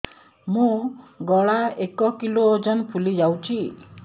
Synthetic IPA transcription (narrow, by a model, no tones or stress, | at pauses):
mũɡɔɭaekɔkilod͡ʒɔnpʰulid͡ʒawt͡ʃʰi